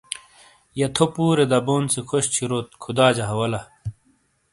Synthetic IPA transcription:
jɐt̪ʰopuːɾed̪ɐboːnt͡sekʰoɕt͡ɕʰiɾoːt̪̚kʰud̪aːd͡ʑɐɦɐwɐlɐ

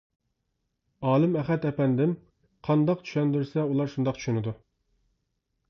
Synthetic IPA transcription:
ɑːlˠɨmɛχɛt̪ɛpɛnd̪ɪm | qʰɑnd̪ɑq̚t͡ʃʰy̥ʃɛnd̪yɾsɛulˠɑɾʃund̪ɑq̚t͡ʃʰy̥ʃynɪd̪u

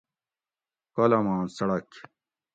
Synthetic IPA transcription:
kɐlɐmaːnsɐɽɐk

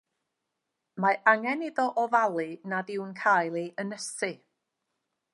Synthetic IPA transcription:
maaŋɛnɪðɔʔɔvalˠɨnaðɪwnkʰaːjlˠiʔənəsɨ

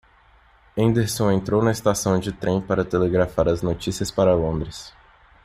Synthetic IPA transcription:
ẽnd̪eɾsõẽnt̪ɾownɐest̪asɐ̃w̃d͡ʒɪt̪ɾẽpaɾɐt̪eleɡɾafaɾɐznot͡ʃisiɐspaɾɐlõnd̪ɾɪs

